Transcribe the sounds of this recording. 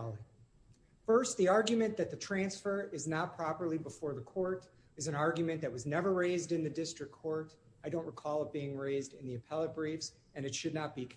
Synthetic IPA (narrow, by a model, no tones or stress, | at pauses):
lˠi | fɜ˞st̪̚ðiɑɹɡjɨmɨ̃nðɨt̪̚ðɨtʰɹ̥æ̃nsfə˞ɪznət̚pʰɹ̥ɑpə˞lˠibəfɔɹðəkʰɔɹɾ | ɨzɨ̃nɑɹɡjɨmɨ̃nðɨt̚wʌznɛvə˞ɹeɪzdɨ̃nðɨdɪstɹ̥ɨkʰːɔɹɾ | aɪɾõʊ̃nʔɹɨkʰɔlˠʌb̥iɪ̃ŋɹeɪzdɨ̃nðiɨpʰɛlˠət̚b̥ɹifz̥ | ɨ̃nɨtʃɨdⁿnət̚b̥ik